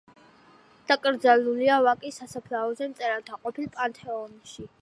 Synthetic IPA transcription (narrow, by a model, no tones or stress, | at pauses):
d̪̥akʼɾd̪zaluliavakʼisasapʰlaɔzɛmt̪sʼɛɾant̪ʰaqʼɔpʰilpʼant̪ʰɛɔnʃi